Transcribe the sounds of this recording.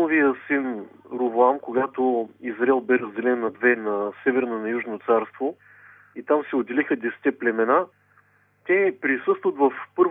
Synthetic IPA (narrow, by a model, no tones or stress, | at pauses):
ovijəsinɾʊvoamkoɡat̪oizɾaɛlˠbɛɾəzd̪ɛlɛnːɐd̪vɛːɐsɛvɛɾnənɐjuʒnot̪saɾst̪vo | it̪amsɛod̪ɛlixəd̪ɛsɛ̥t̪ɛplɛmɛna | t̪ʲɛpɾisɤst̪vət̪vɐfpɤɾv